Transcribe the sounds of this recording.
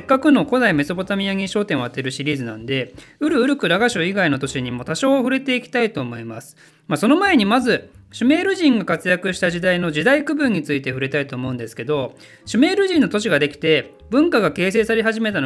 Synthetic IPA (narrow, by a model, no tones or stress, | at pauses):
ekːakɯ̟no̞ko̞d̪aime̞sopo̞t̪amʲiaŋʲiɕo̞ːt̪eɰ̃βat̪ːe̞ɾɯ̟ɕiɾʲiːzɨnã̰nd̪e̞ɯ̟ɾɯ̟ɯ̟ɾɯ̟kɯ̟ɾaɡaɕoːiɡaino̞t̪o̞ɕiɲ̟imo̞t̪aɕo̞ːɸɯ̟ɾe̞t̪e̞ikʲi̥t̪ait̪o̞ːmo̞imasɨ̥ | maso̞no̞mae̞ɲ̟imazɨɕɨme̞ːɾɯ̟ʑĩŋɡakat͡sɨjakɯ̟ɕi̥t̪aʑid̪aino̞ʑid̪aikɯ̟bɯ̟̃ɲ̟ːit͡sɨit̪e̞ɸɯ̟ɾe̞t̪ait̪o̞ːmo̞ɯ̟̃nd̪esɨ̥ke̞d̪o̞ | ɕɨme̞ːɾɯ̟ʑĩnːo̞t̪o̞ɕ̬iɡad̪e̞kʲi̥t̪e̞ | bɯ̟̃ŋkaɡake̞ːs̬e̞ːsaɾe̞ɦaʑime̞t̪ano